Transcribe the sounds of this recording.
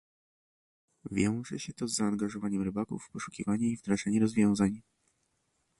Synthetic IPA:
vʲjɔ̃w̃ʐɛ̰ɕɛt̪ɔzːaːŋɡaʐɔvaɲɛmɾɘbakṵfːpɔʂu̥kʲivaɲɛivd̪ɾaʐaɲɛɾɔzvʲjɔ̃w̃zaɲ

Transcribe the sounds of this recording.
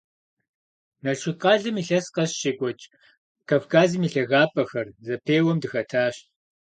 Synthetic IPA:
nɐɮʃɪqʼɑːɮɨmiɬɐsqɐɕʃɪkʷʼɔt͡ʃʼ | kʰavkʰaːzɨmiɬɐɣaːpʰʼɐxɐrzɐpʰeːwɔmdɨxɐtʰaːɕ

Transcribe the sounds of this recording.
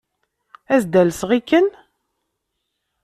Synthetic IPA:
æzd̪ælsʁikːən

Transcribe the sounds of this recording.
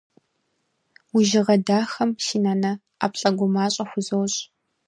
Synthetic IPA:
wʊʒɪʁɐdaːxɐmʃiːnaːnɐ | a̰ːpɬʼɐɡʷʊmaːɕʼɐxʷʊzowɕʼ

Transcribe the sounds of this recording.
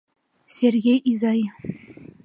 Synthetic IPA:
sʲeɾɡejʔizɑj

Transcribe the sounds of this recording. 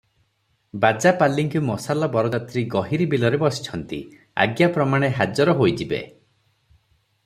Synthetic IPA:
bad͡ʒapalːiŋkumɔsalɔbɔɾɔd͡ʒat̪ɾiɡɔɦiɾibilɔɾebɔsi̥t͡ʃʰɔnt̪ḭ | a̰ɡjapɾɔmaɽ̃eɦad͡ʒɔɾɔɦojd͡ʒibḛ

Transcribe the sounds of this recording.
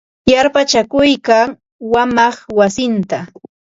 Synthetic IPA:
jaɾpat͡ʃakʊjkaŋ | wamɑχwasɪnt̪a

